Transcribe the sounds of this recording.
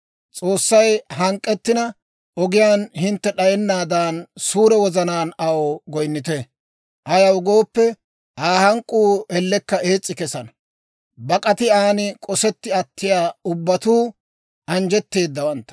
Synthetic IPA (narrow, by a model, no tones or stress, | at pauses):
t͡sʼo̞ːsːɐjɦɐŋkʼːɛt̪ːɪnɐ | ɔɡɪjaːnhɪnt̪ːɛɗɐjɛnːaːd̪aːnsuːɾɛwɔzɐnaːnɐwoːɡɔjnːɪt̪ɛ | ʔɐjɐwʊɡo̞ːpːɛ | ʔaːhɐŋkʼːuːɛlːɛkːɐe̞ːt͡sʼːɪkɛsɐnɐ | bɐkʼɐt̪ɪaːnɪkʼɔsɛt̪ːɪɐt̪ːɪjaːʊbːɐt̪uː | ʔɐnd͡ʒɛt̪ːe̞ːd̪ːɐwɐnt̪ːɐ̥